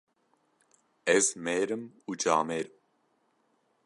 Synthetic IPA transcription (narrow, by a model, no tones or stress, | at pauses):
ɛzmɛːɾəmud͡ʒaːmɛːɾm